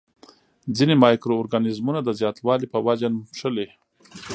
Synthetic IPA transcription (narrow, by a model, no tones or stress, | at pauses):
d͡zinemɑjkɾoːɾɡanɪzmunad̪əzjɑt̪wɑlipəwad͡ʒanpʂəle